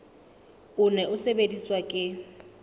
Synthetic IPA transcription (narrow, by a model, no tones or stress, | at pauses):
ʊnɛʊsebediswakʼɪ